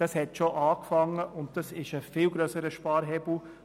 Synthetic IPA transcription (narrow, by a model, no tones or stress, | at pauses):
d̥ɑshɛtʃoʔɑːkfɑŋəʔʊnt̚d̥ɑsɪʃəfɪːlɡɾœsəɾəʃpɑːɾɦɛbl̩